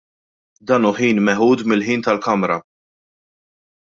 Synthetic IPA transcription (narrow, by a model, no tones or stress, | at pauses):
d̪ɐːnuːħiːnmɛħuːd̪mɪlħiːnt̪ɐlkɐmɾɐ